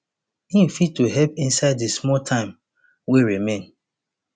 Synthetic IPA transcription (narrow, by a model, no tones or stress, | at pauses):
ĩm̩fid̚tuɦɛpĩnsaɪddesmɔltʰãɪ̃m | weɹimẽn